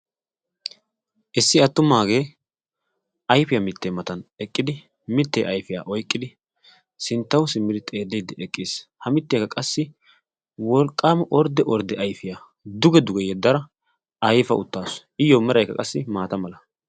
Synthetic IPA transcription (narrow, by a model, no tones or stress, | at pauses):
ʔɪsːɪɐt̪ːʊmaːɡe̞ː | ʔɐjfɪjamɪt̪ːeːmɐt̪ɐnɛkʼːɪd̪ɪ | mɪt̪ːḛːʔɐjfɪja̰ːʔɔjkʼːɪd̪ɪ | sɪnt̪ːɐwsɪmːɪd̪ɪt̪ʼe̞ːd̪ːɛjd̪ɛɛkʼːɪːshɐmɪt̪ːjɛkːɐkʼɐsːɪ | wɔlkʼːaːmʔɔɾd̪ɛʔɔɾd̪ɛʔɐjfɪjaː | d̪ʊɡɛd̪ʊɡɛjɛd̪ːɐɾɐ | ɐjfɐ̰ʔʊ̰t̪ːaːs | ɪjːoːmɛɾɐjkːɐ̰kʼɐsːɪmaːt̪ɐmɐlɐ